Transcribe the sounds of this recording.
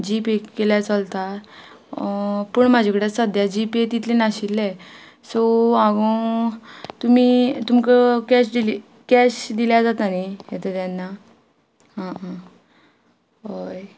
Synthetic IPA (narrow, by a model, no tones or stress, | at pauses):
d͡ʑipekeljat͡səlt̪a | pəɳmad͡ʑʱekəɽesəd̪jad͡ʑipet̪it̪lenaɕilːɛ̃ | soaɡo | t̪umiːt̪um̤ikəkɛɕd̪ili | kɛɕd̪iljad͡zat̪anijet̪ət̪anːa | ɦã | ɦoj